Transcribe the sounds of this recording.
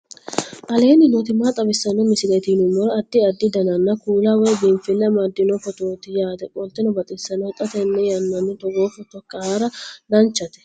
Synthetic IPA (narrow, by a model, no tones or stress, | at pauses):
ʔɐle̞ːnɪnɔt̪ɪmːaːt̪ʼɐbɪsːɐnːɔmɪsɪlet̪iːnʊmːɔɾɐːd̪ːɪɐd̪ːɪd̪ɐnɐnːɐkuːlɐwɔjbiːnfɪnːɐmad̪ːɪnɔfɔt̪oːt̪ɪjaːt̪ɛkʼɔlt̪ːɪnɔbɐt̪ʼɪsːɐnːɔt̪ʼɐt̪ɛnːɛjɐnːɐnːʊt̪ɔɡoːfɔt̪ɔkːɐhaːɾɐd̪ɐnt͡ʃːɐt̪ɛ̥